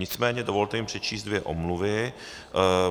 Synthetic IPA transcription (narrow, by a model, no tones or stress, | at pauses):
ɲɪt͡smɛːɲɛdovo̞lt̪ɛjɪmpr̝̥ɛt͡ʃiːst̪dvjɛʔo̰mluvɪ